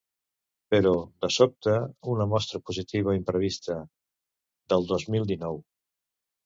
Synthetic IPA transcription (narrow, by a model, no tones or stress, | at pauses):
pəɾɔd̪əsop̚t̪əunəmɔst̪ɾəpuzit̪iβ̞əoimpɾəβ̞ist̪ə | d̪əlˠd̪ozmilˠd̪inɔw